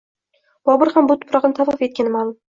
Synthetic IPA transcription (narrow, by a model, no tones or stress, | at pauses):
b̥ɒbʊɾhambʊt̪ʰʊ̥pɾɑqnɪt̪ʰafɨfe̞t̪̚kʲanɪmalˠʊm